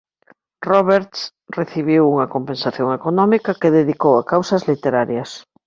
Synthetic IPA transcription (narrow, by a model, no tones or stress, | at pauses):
rɔβeɾt̪s | reθiβ̞iwuŋɐkompẽnsaθjoŋekonɔmikɐkeðeðikowakawsɐzlit̪eɾaɾjɐs